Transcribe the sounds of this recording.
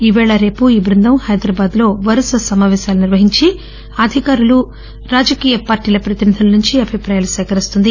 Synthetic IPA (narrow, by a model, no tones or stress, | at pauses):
iʋɛːɭɐɾe̞ːpuiːbɾund̪ɐmhɐjd̪ɾɐbaːd̪lo̞ːʋɐɾɐsɐsɐmaːʋɛːʃaːluniɾʋɐɦiɲt͡ʃi | ɐd̪ʱikaːɾulu | ɾaːd͡ʒɐkiːjɐpaːɾʈiːlɐpɾɐt̪inid̪ʱɐlɐnuɲt͡ʃiɐbʱipɾaːjaːlusɛːkɐɾist̪und̪i